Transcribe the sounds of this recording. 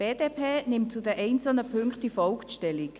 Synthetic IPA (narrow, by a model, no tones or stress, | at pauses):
b̥eːd̥eːpʰeːnɪmtt͡sudɛʔɛɪnt͡sl̩nəpʰʏŋktifɔlktʃtɛlik